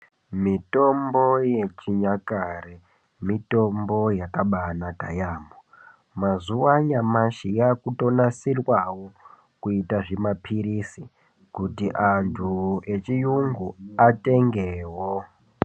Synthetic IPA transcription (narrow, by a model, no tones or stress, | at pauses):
mito̞mbo̞je̞t͡ʃiɲakare | mito̞mbo̞jakaɓanaɡʱajamo | mazuwaɲamaʃijakuto̞nasirwawo | kuitaʐemapʰiɾisi | kutiʔantʰuet͡ʃijuŋɡuate̞ŋɡeːwo